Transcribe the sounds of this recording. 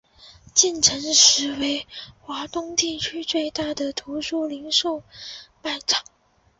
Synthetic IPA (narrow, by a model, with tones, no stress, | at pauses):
t͡ɕi˥˩nʈ͡ʂʰə˧˥ŋʂɻ̩˧˥we˧˥ɪxwa˧˥t̪ʊ˥ŋt̪i˥˩t͡ɕʰy˥t͡swe˥˧ɪt̪a˥˩d̪ə˩t̪ʰu˧˥ʂu˥˩li˧˥ŋʂo˥˧ʊpa˥˩nʈ͡ʂʰɑ̥˨˩˦